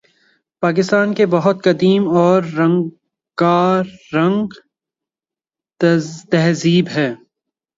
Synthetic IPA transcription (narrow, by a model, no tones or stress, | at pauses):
paːkɪst̪aːnkebɐɦʊt̪kɐd̪iːmɔːɾːɐ̃ŋɡ | kaːɐ̃ŋɡ | t̪ɛɦziːbɦɛː